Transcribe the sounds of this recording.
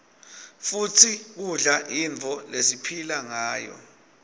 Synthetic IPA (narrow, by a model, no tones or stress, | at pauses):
futʰik̬uɮaʔint͡fɔlesipʰilaŋaːjɔ̰